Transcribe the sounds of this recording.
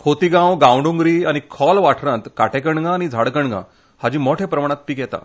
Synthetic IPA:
kʰot̪iɡãwɡãwɳɖuŋɡɾiːañikʰɔlʋaʈʰɾãt̪kaʈʰek̬əɳɡãːñid͡zʱaɽkəɳɡã̰ | had͡ʑiːmoʈʰepɾəmaɽ̃ãt̪̚piːkjɛt̪a̰

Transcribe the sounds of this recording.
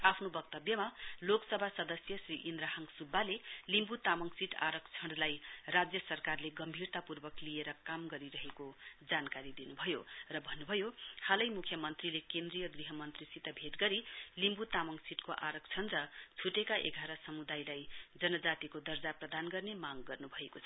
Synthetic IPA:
apʰnobʌk̚t̪ʌbjʌmaloksʌbʱasʌd̪ʌsjʌsriʔind̪ɾaɦʌŋsubʱːalelimbut̪amʌŋsiʈa̰ɾʌkt͡sʰʌɳlajrad͡zjʌsʌrkarleɡʌmbʱirt̪apurbʌklieɾʌkamɡʌɾiɾʌɦekod͡zankaɾid̪inubʱʌjorʌbʱʌnːubʱʌjohalʌjmukʰjʌmʌnt̪rilekend̪rijʌɡriɦʌmʌnt̪risit̪ʌbʱeʈɡʌɾilimbut̪amʌŋsiʈkoʔaɾʌkt͡sʰʌɳrʌt͡sʰuʈekaʔḛɡʱaɾʌsʌmud̪ajlajd͡zʌnʌd͡zat̪ikod̪ʌrd͡zaprʌd̪ʱanɡʌrnemaɡɡʌrnubʱʌekot͡sʰʌ

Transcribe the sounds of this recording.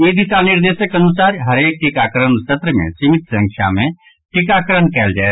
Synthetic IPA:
iːd̪ʱit̪anɪɾd̪eːʃəkɐnusaːɾɦɐɾeːk̚ʈikaːkəɾənsɐt̪ɾəmḛ̃t͡ʃimɪt̪sə̃ŋkʰja̰mẽ | ʈikaːkəɾəɳkɛːld͡ʒaːe

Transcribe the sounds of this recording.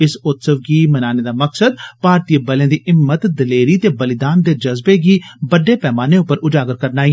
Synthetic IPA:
ɪsʊt̪səʋɡiːmɐnaːned̪aːməksəd̪̚paːɾt̪iːəbəlẽd̪iɪmːət̪d̪ɐleːɾit̪ebəlɪd̪aːnd̪eːd͡ʒɐzbeɡibəɖːepɛːmaːneʊpəɾʊd͡ʒaːɡəɾkəɾnaːi

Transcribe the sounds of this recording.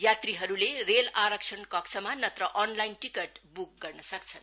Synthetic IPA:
jat̪riɦʌɾulerelaɾʌksʰʌnkʌksʰʌmanʌt̪rʌʔʌnlajnʈikeʈbuk̚ɡʌrnʌsʌk̚t͡sʰʌn

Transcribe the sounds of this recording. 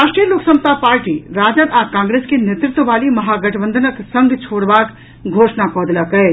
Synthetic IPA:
aːʃʈɾijəloːksɐ̃mst̪apaːɾʈiɾaːd͡ʒnət̪aːkãːŋɡɾeːskenet̪ɾɪt̪wəʋaːlimɐɦaːɡɐʈʰbə̃nd̪ʱənək̪sɐ̃ŋɡʱt͡ʃʰoːɽʋaːk | ɡʱoːʃnakɔːd̪lakɐe

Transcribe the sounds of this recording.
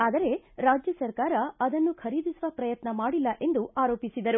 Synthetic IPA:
aːd̪ɐɾe̞ɾaːd͡ʒjɐsɐɾkaːɾɐɐd̪ɐnːukʰɐɾiːd̪isuʋɐpɾɐjɐt̪nɐmaːɽilːɐʔe̞nd̪uaːɾo̞ːpisid̪ɐɾu

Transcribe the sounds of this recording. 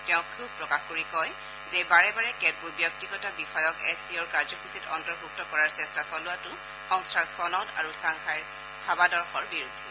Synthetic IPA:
tɛʊ̃kʰub̚pɹɔkaxkoɹikɔj | zɛbaɹɛbaɹɛkɛt̚buɹbjɔk̚tiɡɔtabixɔjɔkɛsiɔɹkaɹzɔkʰusitɔ̰ntɔɹkɹup̚tɔkɔɹaɹsɛstasɔlʊatʊ | xɔŋstʰaɹsɔnɔda̰ɹusaŋxʰajɹ | kʰabadɔɹxɔɹbiɹudʱːi

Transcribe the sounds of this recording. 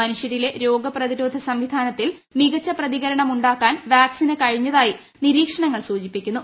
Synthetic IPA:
ɐnuʂjɐɾile̞ɾo̞ːɡɐprɐðiɾoːd̪ʱɐsɐmʋid̪ʱaːnɐt̪ːilmiɣɐt͡ɕːɐprɐðiɣɐɾɐɳɐmuɳɖaːkːaːnʋjaːksinɨkɐɻiɲːɐðaːji | niɾiːkʂɐɳɐŋːɐɭsuːt͡ɕipːikʲːunːu

